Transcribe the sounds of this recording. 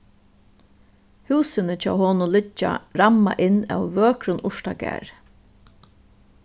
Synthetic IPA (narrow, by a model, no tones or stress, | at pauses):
huːsɪnət͡ʃʰa̰ːwhɔːnʊnlɪt͡ʃːa̰ɾama̰ʔɪnːæ̰wʋøːkɾʊnʔʊʂtaɡæ̰ːɹ